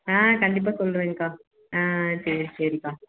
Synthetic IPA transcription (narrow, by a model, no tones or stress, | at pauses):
ãːkɐɳɖɪp̬ːaːsɔlːɾɯʋẽːŋɡɯkaː | ãːsɐsɐɾikaː